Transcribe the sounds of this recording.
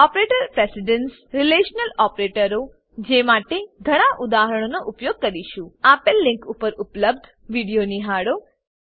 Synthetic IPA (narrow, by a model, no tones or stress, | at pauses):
ɔpɾeʈəɾpɾesiɖəns | ɾileʃnəlɔpɾeʈəɾo | d͡ʒemaʈed̪ʱəɽ̃aʔud̪aɦəɾəɽ̃onoʔʊpjoɡ̚kəɾiʃũapelːɪ̃ŋkupəɾʊpləb̚d̪ʱ | ʋiɽijoniɦaɽo